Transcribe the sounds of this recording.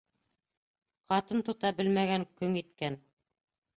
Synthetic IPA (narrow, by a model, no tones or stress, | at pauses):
qɑt̪ɤnt̪ŏt̪ɑbɘlmæɡæŋkɵŋit̪kæn